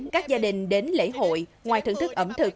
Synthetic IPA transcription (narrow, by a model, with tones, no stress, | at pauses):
kaː˦˥k̚zaː˧ɗï˨˩ŋ̟ɗe˨˦nlḛ˧˥ɦo̰˧˨jŋwaː˨˩jt̪ɨ̰˧˩˨ŋt̪ʰɨ˦˥k̚ʔə˧˩mt̪ʰɨ˨˩k̚